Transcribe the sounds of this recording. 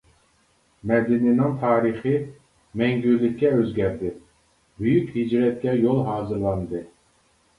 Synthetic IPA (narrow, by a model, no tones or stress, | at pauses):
mɛd̪ɪninɪŋt̪ʰɑːɾɨχɨ | mɛŋɡʲyɾlɪkʲːɛøzɡʲæɾd̪ɪ | byjykʲhid͡ʒɾɛt̪̚kʲɛjolˠɦɑːzɨɾlˠɑnd̪ɨ